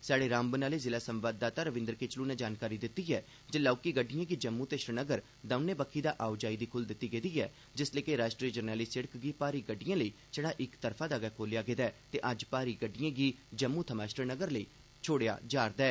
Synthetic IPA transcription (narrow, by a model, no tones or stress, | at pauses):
saːɖeːɾãːmbənaːleːzɪlaːsəmʋaːd̪̚ːaːt̪aːɾəʋɪ̃nd̪əɾkeːt͡ʃluːnɛːd͡ʒaːnkaːɾiːd̪ɪt̪ːiːɛː | d͡ʒəlaːkiːɡəɖɪjãːɡiːd͡ʒəmːũːt̪eːʃɾənəɡəɾ | d̪ãʊnẽːbəkʰːiːd̪aːʔaːʊd͡ʒaːiːd̪iːkʰʊld̪ɪt̪ːiːɡeːd̪iːɛː | d͡ʒɪsleːkeɾaːʃʈɾiːd͡ʒəɾnɛːliːsɪɽəkɡiːpaːɾiːɡəɖːɪjãːləiː | t͡ʃəɽ̃ãːʔɪkt̪əɾpʰaːd̪aːɡɛːkʰoːljaːɡeːd̪aːt̪eːʔəd͡ʒpaːɾiːɡəɖːɪjãːɡiːd͡ʒəmːuːt̪ʰəmaːʃɾənəɡəɾləiː | t͡ʃʰoːɽeja̰ːd͡ʒaːɾd̪aɛː